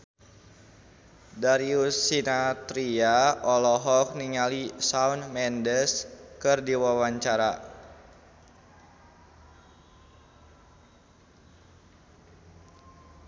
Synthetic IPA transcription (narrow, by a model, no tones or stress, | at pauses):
daɾiusinat̪ɾiaɔlɔɦɔk̚niŋalisaunmɛndəskɨrdiwawaɲt͡ʃaɾa